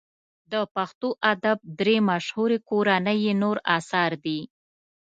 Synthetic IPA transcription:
d̪əpaxt̪oʔad̪ab̚d̪ɾemaʃhuɾekoɾanəjenoɾɑsɑɾd̪i

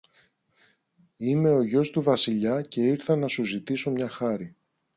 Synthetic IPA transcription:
ime̞o̞ʝo̞st̪uvɐsiʎɐce̞iɾθɐnɐsuzit̪iso̞mɲɐxɐɾi

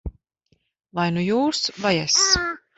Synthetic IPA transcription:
lˠajnujuːsvajɛs

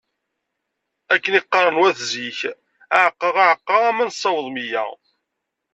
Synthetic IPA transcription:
ækːəniqːɑɾˤənwæθziç | æʕəqːəʁaʕəqːɑʁæmænsˤːɑwəðˤmijæ̰

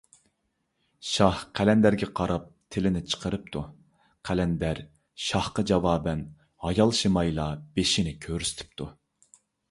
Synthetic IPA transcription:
ʃɑhqʰælɛnd̪æɾɡʲɛqʰɑɾɑp̚t̪ʰɪlɪnɪt͡ʃʰə̥qʰəɾɨp̚t̪ʰu | qʰælɛnd̪æɾ | ʃɑhqɑd͡ʒɑwɑːbɛn | hɑjɑlˠʃimɑjlˠɑb̥eʃinɪkʲʰøɾysɪ̥t̪ʰɪ̥p̚t̪ʰu

